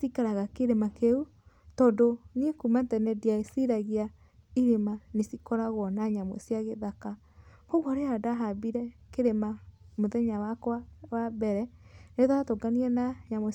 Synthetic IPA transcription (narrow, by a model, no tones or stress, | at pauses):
sikaɾaɣakeɾemakeu | tɔːndonekumantɛnɛdiaesiɾaɣia | iɾemanesikɔɾaɣwɔnaɲamɔ̰sijaɣeðaka | hoɣwɔɾeadaɦabiɾɛkeɾemamoðɛɲawakwawabɛɾɛneðatoɡaniɛnaɲamɔ